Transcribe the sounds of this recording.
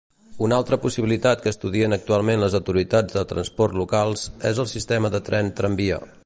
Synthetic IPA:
unalˠt̪ɾəpusiβilit̪at̪kəːst̪uðiənək̚t̪ualˠmenləzəwt̪uɾit̪ad͡zðət̪ɾənspɔrt̪lukalˠzɛzəlˠsist̪ɛməðət̪ɾɛnt̪ɾəmbio̰

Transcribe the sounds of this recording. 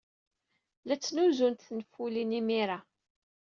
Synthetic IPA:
læt͡sːnuzunt̪θnəfulinimiɾa

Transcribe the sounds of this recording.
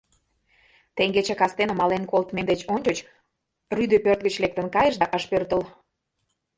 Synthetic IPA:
t̪eŋɡet͡ɕekɑst̪enəmɑlenkolt̪mend̪et͡ɕonʲt͡ɕot͡ɕ | ryd̪øpørt̪̚ɣət͡ɕlek̚t̪ənkɑjə̆ʃd̪ɑʔəʃpørt̪əl

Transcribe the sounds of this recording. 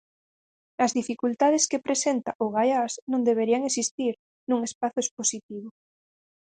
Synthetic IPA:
azðifikult̪að̞eskepɾesent̪aʔoɣajasnõnd̪eβ̞eɾiaŋesist̪iɾ | nũŋespaθoesposit̪iβ̞o

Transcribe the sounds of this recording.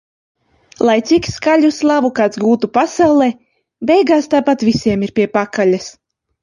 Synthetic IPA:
lˠajt̪sikskalʲuslˠavukaːt̪sɡuːt̪upasawlˠeː | bɛjɡaːst̪aːpat̪visʲiɛmiɾpʲiɛpakalʲas

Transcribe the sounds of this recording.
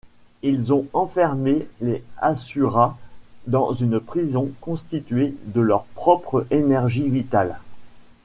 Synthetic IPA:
ilzɔ̃ɑ̃fɛʁmeleasyʁad̪ɑ̃zynpχizɔ̃kɔ̃st̪it̪ɥed̪əlœʁpχɔpχəenɛʁʒivit̪al

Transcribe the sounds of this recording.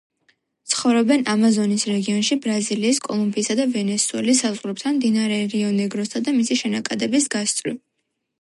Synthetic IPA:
t̪sʰχɔvɾɔbɛnʔamazɔnisɾɛɡiɔnʃibɾaziliːskʼɔlˠumbiːsad̪avɛnɛsuɛ̰lisazʁɾɛp̚t̪ʰanmd̪inaɾɛɾiɔnɛɡɾɔsad̪amisiʃɛnakʼad̪ɛbisɡast̪sʼɾi

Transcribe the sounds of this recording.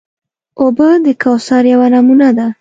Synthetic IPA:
obəd̪əkɑwsɑɾjawanamunad̪a

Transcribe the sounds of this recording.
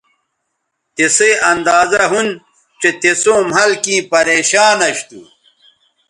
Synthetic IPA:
t̪eseɐnd̪aːzɐɦun | t͡ɕet̪esõːmɦɐlkĩːpɐɾeːɕaːnɐɕt̪ṵ

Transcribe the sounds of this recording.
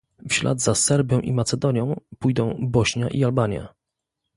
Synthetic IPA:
fɕla̰d̪zasɛɾbʲjɔ̃w̃ʔimat̪sɛd̪ɔɲjɔ̃w̃pujd̪ɔ̃w̃bɔɕɲa̰ʔialbaɲja̰

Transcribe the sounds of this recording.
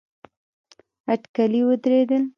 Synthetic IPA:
aʈkaliwəd̪ɾed̪əl

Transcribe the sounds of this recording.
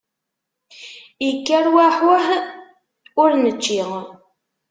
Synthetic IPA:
ikːæɾwaħwəh | ʊɾnət͡ʃːiʁ

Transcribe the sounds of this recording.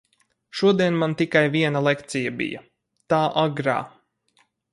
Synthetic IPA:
ʃuɔd̪iɛnmant̪ikajviɛnalˠɛkt̪sijabḭjɐ | t̪aːʔaɡɾa̰ː

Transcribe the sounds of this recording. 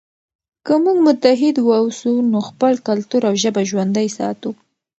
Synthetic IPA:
kəmuɡmʊt̪aɦɪd̪wawsunoxpəlkalt̪uɾawʒəbaʒwand̪ajsɑ̰t̪u

